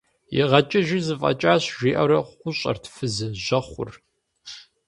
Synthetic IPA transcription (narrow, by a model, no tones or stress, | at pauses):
jḭʁɐt͡ʃʼɪʒɪzɨfʼɐ̰t͡ʃʼaːɕʒiːʔɐɾɐʊɕʼɐ̰rtʰfɨzɨʒʷɐχʷʊ̰r